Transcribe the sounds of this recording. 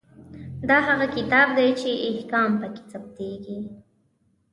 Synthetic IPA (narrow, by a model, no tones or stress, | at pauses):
d̪aɦaɣakɪt̪ɑːb̚d̪ajt͡ʃɪʔːhkɑːmpakɪ̥t͡sap̚t̪eɡi